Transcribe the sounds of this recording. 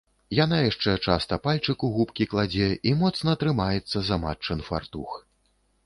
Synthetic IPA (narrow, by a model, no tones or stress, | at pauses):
janajaʂt͡ʂɛt͡ʂast̪ɐpalʲt͡ʂɨkuɣupkʲiklˠad͡zʲɛʔimɔt̪snɐːt̪ɾɨmajɛt̪sːɐzama̰t͡ʂːɨnfa̰rt̪ux